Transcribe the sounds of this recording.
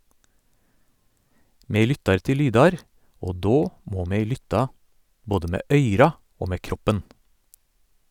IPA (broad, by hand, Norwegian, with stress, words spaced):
ˈmeː ˈlʏtɑɾ ˈtɪl ˈlyːdɑɾ ˈoː ˈdoː ˈmoː ˈmeː ˈlʏtɑ ˈboːdə ˈmeː ˈʔœʏɾɑ ˈoː ˈmeː ˈkɾɔpən